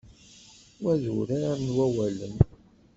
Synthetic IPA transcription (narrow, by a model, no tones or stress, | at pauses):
wæðuɾaɾnwæwælən